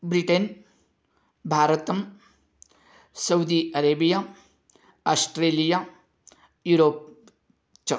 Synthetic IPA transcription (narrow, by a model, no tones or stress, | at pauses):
bɾiʈen | bʱaːɾɐt̪ɐm | sɐwd̪iɐɾeːbija | asʈɾeːlija | juːɾoːp̚ | t͡ʃɐ